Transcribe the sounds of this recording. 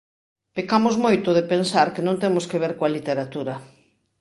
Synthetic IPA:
pikamʊzmojt̪ʊðepensaɾkenõnt̪emʊskeβ̞eɾkoalit̪eɾat̪uɾɐ

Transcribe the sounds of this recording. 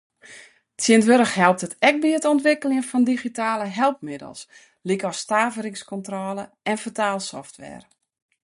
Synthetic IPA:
t͡sjiɪəntʋøɾəxhɛlˠp̚tətɛk̚biətɔntʋɪkəljənfɔndixitaːləɦɛlˠpmɪdə̰lˠs | likɔstaːvəɾɪŋskɔntrɔːləʔɛnfətaːlˠsɔ̰ftʋɛ̰ːr

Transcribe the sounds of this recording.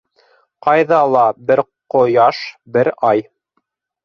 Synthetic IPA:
qɑjðɑlˠɑbɘɾ | qŏjɑʃbɘɾɑj

